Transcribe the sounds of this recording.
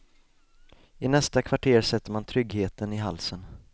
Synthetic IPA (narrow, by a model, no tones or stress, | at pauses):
ɪnɛst̪akʰvaʈʰeːɾsɛt̪ːəɾmant̪ʰɾʏɡheːt̪ənɪɦalsən